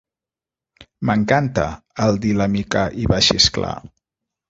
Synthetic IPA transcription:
məŋkant̪ə̰ː | lˠd̪ilamikaʔiβaʃḭskla̰

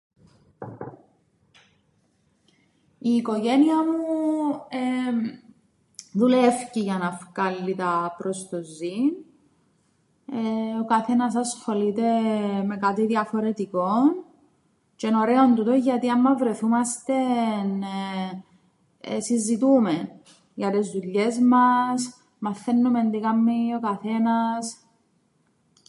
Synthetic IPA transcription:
iːko̞ʝeniɐmu | e | ðulefciʝɐnɐfkɐlːit̪ɐpɾo̞st̪ozin | okɐθenɐsɐsxo̞lit̪e̞me̞kat̪iðjɐfoɾe̞t̪ikon | t͡ʃeno̞ɾeont̪ut̪oʝɐt̪iɐmːɐvɾe̞θumɐst̪en | sizːit̪umen | ʝɐt̪ezðuʎːe̞zmɐs | mɐθːenːumend̪iɣɐmːiokɐθe̞nɐs

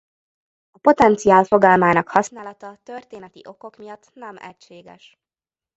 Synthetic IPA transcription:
ɒpo̞t̪ɛnt̪siaːlfo̞ɡɒlmaːnɒkhɒsnaːlɒt̪ɒt̪ø̞rt̪eːnɛt̪ḭʔo̞ko̞kmijɒt̪ːnɛmɛ̰cʃeːɡɛ̰ʃ

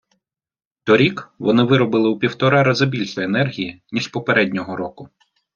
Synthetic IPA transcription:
t̪ɔɾʲikʋɔnɪʋɪɾɔbɪlˠɪwpʲiwt̪ɔɾɑɾɐzɐbʲilʲʃɔjenɛrɦʲijinʲiʃpɔpeɾɛdʲnʲɔɦɔɾɔkʊ

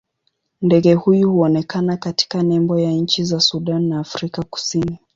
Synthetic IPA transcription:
ndɛɠɛhujuhuɔnɛkanakati̥kanɛmbɔjaɲ̩t͡ʃizasuɗanːaːfɾikaku̥sini

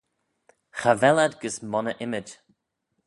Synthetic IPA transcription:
xavɛladɡəsmɔnəʔɪmɪd͡ʒ

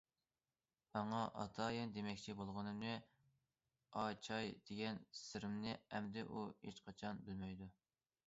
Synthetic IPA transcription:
mɑŋɑʔɑ̰t̪ʰɑːjɪnd̪emɛkʲt͡ʃʰibolˠʁənɨmnɨ | ɑt͡ʃʰɑjd̪̥eɡʲɛnsɪɾɪmnɪɛmd̪ɪʔuet͡ʃqʰɑt͡ʃʰɑnbɪlmɛjd̪u

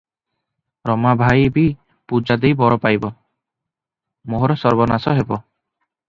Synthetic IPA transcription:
ɾɔmabʱajbi | pud͡ʒad̪ejbɔɾɔpajbɔ | moɦɔɾɔsɔɾbɔnasɔɦebɔ

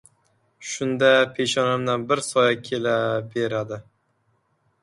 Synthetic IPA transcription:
ʃʊnd̪apʰeʃɒnamnanbɪɾsɒjakʲʰelabeɾad̪ɪ

